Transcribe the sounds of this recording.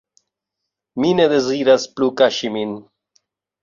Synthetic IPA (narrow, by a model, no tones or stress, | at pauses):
mined̪eziːɾɐsplukaɕimin